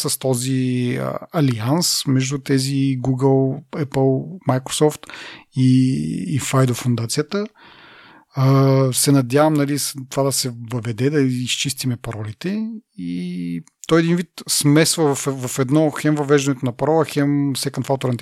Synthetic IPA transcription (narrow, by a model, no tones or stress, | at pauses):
sɐst̪ɔziə̰ɐliansmɛʒd̪ut̪ɛziɡuɡəlˠɛpəlˠmajkɾo̥sɔft̪iː | fajd̪ofund̪at̪sijət̪ə | əsɛnɐd̪ʲjavɐmnɐlist̪ovad̪ɐsɛvɐvɛd̪ɛd̪ɐist͡ʃist̪imɛpɐɾɔlit̪ɛi | t̪ɔjɛd̪invit̪smɛsvəvɐfvɐfɛd̪nɔxɛmvɐvɛʒd̪ɐnɛt̪onɐpɐɾɔlˠɐxɛmsɛkɐnfalt̪oɾnit̪